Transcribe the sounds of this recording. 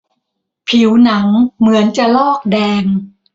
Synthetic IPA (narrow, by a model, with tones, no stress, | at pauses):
pʰi˩˦wna˩˦ŋmɯ˩˦ənt͡ɕa˨˩lɔː˥˩k̚dɛː˧ŋ